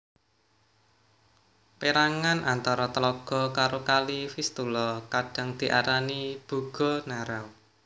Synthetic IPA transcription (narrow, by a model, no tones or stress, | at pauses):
peɾaŋanʔant̪ɔɾɔt̪əlɔɡ̥ɔ̤kaɾokalifist̪ulɔkaɖ̥a̤ŋd̪̥i̤ʔa̰ɾanib̥ṳɡ̥ɔ̤naɾaw